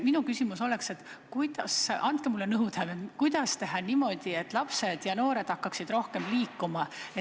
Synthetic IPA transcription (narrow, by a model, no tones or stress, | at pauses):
minukysimuso̞le̞kse̞t̪ːkujd̪̥ɑsʔɑnd̪̥̚kemulːenɤwd̪hevekujd̪̥ɑst̪e̞ɦɑnimo̞d̪̥ie̞t̪ːˑlɑpse̞d̪̥jɑno̞ːɾe̞d̪̥ɑkːˑɑksid̪̥ɾo̞hke̞mliːkːˑumɑe